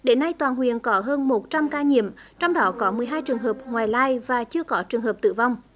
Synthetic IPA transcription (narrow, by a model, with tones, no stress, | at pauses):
ɗe˨˦nːa˧jt̪waː˨˩nɦwḭ˧˨ənkɔ˨˦ɦəː˧nmo˨˩t̚t͡ɕa˧mkaː˧ɲḭ˧˨əmt͡ɕɔ˧wŋ͡mɗɔ˨˦kɔ˨˦mɨ˨˩əjɦaː˧jt͡ɕɨ˨˩əŋɦəː˨˩p̚ŋwaː˨˩jlaː˧jvaː˨˩t͡ɕɨ˧əkɔ˨˦t͡ɕɨ˨˩əŋɦəː˨˩p̚t̪ɨ̰˧˨va˧wŋ͡m